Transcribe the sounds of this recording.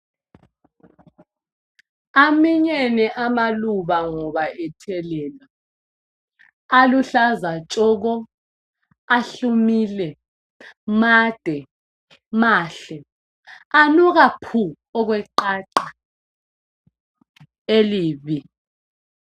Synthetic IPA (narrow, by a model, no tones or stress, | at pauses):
amiɲenɛʔamaluβaŋɔβaʔɛtʰɛlɛːla | luɬazat͡ʃʼɔːɣ̬ɔ | aɬumiːlɛ | maːd̥ʱɛ | maːɬɛ | anuɣapʰu | ɔɣ̬wɛǃaǃa | eliːβi